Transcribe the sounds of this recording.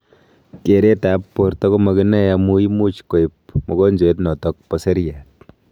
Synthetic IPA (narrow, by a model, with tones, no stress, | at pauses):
ke˨ɾe˦ta˨˦pːo˨ɾtɔ˦ko˦mɐ˨kɪ˦nɛ˦ja˨mu˦i˦mu˦t͡ʃko˨i˨p̚mɔ˨kɔ˦nd͡ʒe˦tnɔ˨tɔ˦k̚pɔ˦se˦ɾja˨t̚